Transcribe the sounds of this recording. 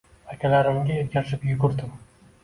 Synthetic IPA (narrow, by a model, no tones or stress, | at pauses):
akʲʰalaɾɪmɡʲaeɾkʲaɾʃɪpjʊɡʊɾd̪ɪm